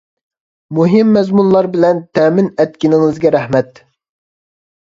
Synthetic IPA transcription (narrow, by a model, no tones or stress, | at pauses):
muɦɪmːɛzmunlˠɑɾbɪlɛnt̪ʰɛːmɪnɛt̪̚kʲinɪŋɨzɡʲɛɾɛhmɛt̪